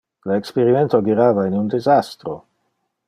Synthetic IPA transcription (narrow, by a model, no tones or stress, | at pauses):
lekspeɾiment̪oɡiɾaːvainund̪izast̪ɾo